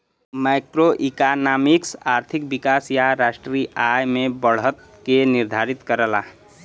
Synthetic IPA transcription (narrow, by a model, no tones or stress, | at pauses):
majkɾoʔikanamiksaɾt̪ʰik̚bikasjaɾasʈɾiʔajmebəɽ̤ət̪̚ | keniɾd̪ʱaɾit̪kəɾəla̰